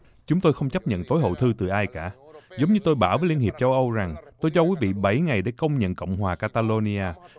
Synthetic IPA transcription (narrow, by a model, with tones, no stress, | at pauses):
t͡ɕʊ˨˦ŋ͡mt̪o˧jxə˧wŋ͡mt͡ɕa˦˥p̚ɲə̰˧˨nt̪o˨˦jɦo̰˧˨t̪ʰɨ˧t̪ɨ˨˩ʔaː˧jkaː˧˥˩zə˨˦wŋ͡mɲɨ˧t̪o˧jɓaː˧˩wvəː˨˦jli˧ənhi˨˩əp̚t͡ɕə˧wʔə˧wza˨˩ŋt̪o˧jt͡ɕɔ˧kwi˨˦vḭ˧˨ɓa˧˩jŋa˨˩jɗe˧˩kə˧wŋ͡mɲə̰˧˨nkə̰˧˨wŋ͡mhwaː˨˩kaː˧t̪aː˧lo˧ni˧aː˧